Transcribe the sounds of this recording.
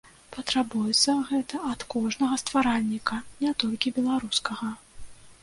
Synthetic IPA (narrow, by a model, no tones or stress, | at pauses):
pɐt̪ɾabujɛt̪sːɐɣɛt̪ɐʔɐt̪kɔʐnɐɣɐst̪v̥aɾalʲːikɐnʲɛt̪ɔlʲkʲibʲɛlˠaɾuskɐɣɐ